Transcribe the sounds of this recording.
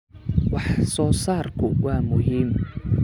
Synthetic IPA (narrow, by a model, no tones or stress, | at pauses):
wɑħsɔːsaːrkʰʊwɑːmʊɦiːm